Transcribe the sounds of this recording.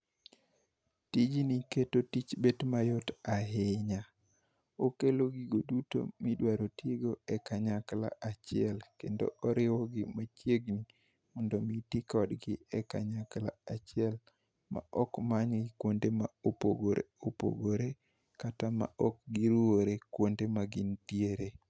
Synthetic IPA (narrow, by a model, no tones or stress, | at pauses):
tid͡ʒiniketotit͡ʃbetmajotaɦɪɲa | okeloɡiɡoduto̰midwaɾoteɡoɛkaɲakla̰ʔat͡ʃɪɛlkendo̰ʔɔɾɪwɔɡɪmat͡ʃjeɡni | mɔndɔmitikɔdɡɪɛka̰ɲakla̰at͡ʃɪɛl | ma̰ʔɔkmaɲɡɪkwondemaopo̰ɡoɾḛopo̰ɡoɾe | katama̰ɔk̚ɡiɾuoɾekwondemaɡɪntjeɾe